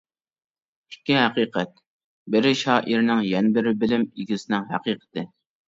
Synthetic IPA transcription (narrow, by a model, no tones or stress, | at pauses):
ikʲːɪɦæqiːqʰɛt̪̚ | bɪɾɪʃɑːʔiɾnɪŋjɛnɪbɪɾɪbɪlɪmiɡʲɪsɪnɪŋɦæ̰qiːqʰə̥t̪ʰɨ